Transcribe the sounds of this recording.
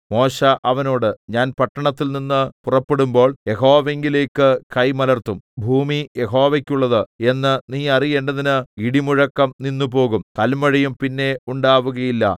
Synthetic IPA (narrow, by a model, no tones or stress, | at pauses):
mo̞ːɕɐʔɐʋɐno̞ːɽɨɲaːnpɐʈːɐɳɐt̪ːilninːɨpurɐpːe̞ɽumbo̞ːɭje̞ɦo̞ːʋe̞ŋɡile̞ːkːɨkɐjmɐlɐrt̪umbʱuːmijeɦo̞ːʋɐkʲːuɭːɐðɨe̞nːɨniːɐrijeːɳɖɐðinɨiɽimuɻɐkːɐmninːup̬o̞ːɣumk̪ɐlmɐɻɐjumpinːe̞uɳɖaːʋuɣɐjilːɐ̰